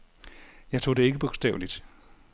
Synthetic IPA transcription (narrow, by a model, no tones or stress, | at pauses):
jɑ̈ɪt͡sʰo̝̰ːd̥e̝e̝ɡ̥əb̥oɡ̥sd̥ɛ̰ːʊlid̥